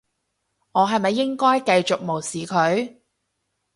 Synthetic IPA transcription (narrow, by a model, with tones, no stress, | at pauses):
ŋɔː˨˧ɦɐ˨jmɐ˨jːɪ˥ŋkɔː˥jkɐ˧jt͡ʃʊ˨k̚mo˨˩wsiː˨kʰɵ˨˧ɥ